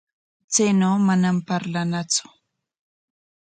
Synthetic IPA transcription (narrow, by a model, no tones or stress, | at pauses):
t͡sajnawmanampaɾlanat͡sʊ̥